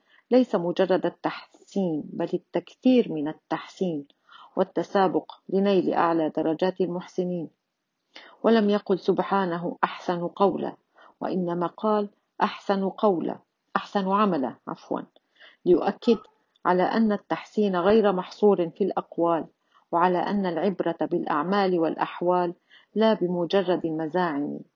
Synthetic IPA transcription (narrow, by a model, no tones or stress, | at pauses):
lajsamʊd͡ʒɑrˤːɑd̪at̪ːaħsiːnbalat̪ːakθiːɾmɪnat̪ːaħsiːn | wat̪ːasaːbʊqlɪnajlɪ̰ʔa̰ʕlaːd̪ɑɾˤːɑd͡ʒaːt̪almʊħsɪniːn | walamjaqʊlsʊbħaːnaɦʊʔaħsanqɑwla̰ | wa̰ʔɪnːamaːqɑːl | ʔaħsanqɑwla̰ | ʔaħsanʕamala̰ʕa̰fwa̰n | lɪjʊ̰ʔakːɪd̪ | ʕa̰la̰ːʔanːat̪ːaħsiːnaɣajɾmɑħsˤuːɾɪfilʔɑqwaːl | waʕalaːʔanːalʕɪbɾɑt̪abɪlʔa̰ʕmaːlɪwalʔa̰ħwaːlː | aːbɪmʊd͡ʒɑrˤːɑd̪almazaːʕɪm̰